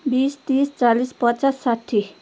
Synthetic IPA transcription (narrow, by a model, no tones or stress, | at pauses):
biːst̪iːst͡ʃalispət͡ʃasːaʈʰːi